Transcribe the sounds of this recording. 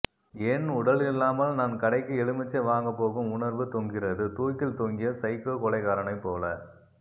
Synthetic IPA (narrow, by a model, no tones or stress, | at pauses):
ɛnʊɽɐlɪlːaːmɐlnaːnkɐɽɐɪkːɯɛɭɯmɪt͡ʃːɐʋaːŋɡɐpːoːɣɯmʊɳɐɾʋɯt̪ɔŋɡɪrɐðɯt̪uːjʈ̪ːɪlt̪ɔŋɡɪjɐsɐɪkːokɔlɐɪkaːɾɐnɐɪpːoːlɐ